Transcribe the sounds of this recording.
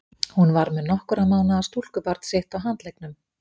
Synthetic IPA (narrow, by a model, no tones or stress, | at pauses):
hunvaɾmɛðnɔhkʏɾamaːwnaːst̪ul̥kʏpaɾt̪seht̪awɦant̪lejknʏm